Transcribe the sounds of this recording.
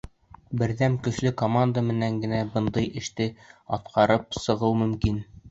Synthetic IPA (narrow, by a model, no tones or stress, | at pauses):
bɘ̆ɾðæmkɵ̆ʃlɵkomand̪əmɘ̆næŋɡɘ̆næbɤ̆nd̪ɤjʔɘ̆ʃt̪ɘɒt̪qʰɑɾɤp̚sɤ̆ʁɤwmɵ̆mkin